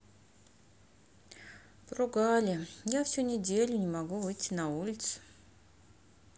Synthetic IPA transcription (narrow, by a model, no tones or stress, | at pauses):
pɾʊɡalʲɪjafsʲunʲɪdʲelʲʊnʲɪmɐɡuvɨjtʲːɪnɐulʲɪt̪s